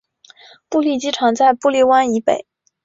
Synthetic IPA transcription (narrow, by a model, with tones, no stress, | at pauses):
pu˥˧li˥˩t͡ɕi˥ʈ͡ʂʰɑ˧˥ŋt͡sa˥˧ɪpu˥˧li˥˩wa˥ni˧˥pḛ˨˩˦ɪ